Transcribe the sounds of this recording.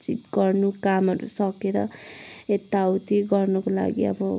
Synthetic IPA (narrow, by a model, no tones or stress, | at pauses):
t͡sit̪ɡʌrnukamʌɾṵsʌkeɾʌet̪ːawt̪iɡʌrnʌkola̰ɡḭʌ̰bʌ